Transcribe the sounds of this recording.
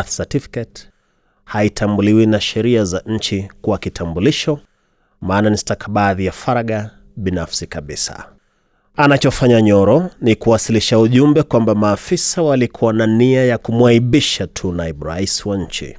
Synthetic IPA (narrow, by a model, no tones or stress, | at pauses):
θsatifi̥kɛt | haitʰambuliwinaʃɛɾiazaɲ̩t͡ʃikuwakitʰambuliʃɔ | maːnanistakʰaɓaðijafaɾaɠa | ɓinafsikaɓisa̰ | anat͡ʃɔfaɲaɲɔɾɔnikuwasiliʃauʄumbɛkwambamaːfisawalikʰuwananiajakumwaiɓiʃatʰunaibɾa̰iswaɲ̩t͡ʃḭ